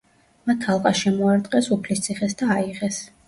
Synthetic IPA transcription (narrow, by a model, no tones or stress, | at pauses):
mat̪ʰːalˠqʼaʃɛmɔaɾt̪ʼqʼɛsupʰlist̪sʰiχɛsd̪aːiʁɛs